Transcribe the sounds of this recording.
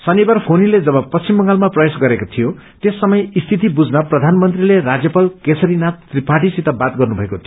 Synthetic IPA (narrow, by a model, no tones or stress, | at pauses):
sʌnibarpʰoniled͡zʌbʌpʌst͡simbʌŋɡalmaprʌbesɡʌɾekot̪ʰijo | t̪esːʌmʌjist̪ʰit̪̬ibud͡znʌprʌd̪ʱanmʌnt̪rilerad͡zjʌpalkesʌɾinat̪ːripaʈisit̪abat̪ɡʌrnubʱʌekot̪ʰi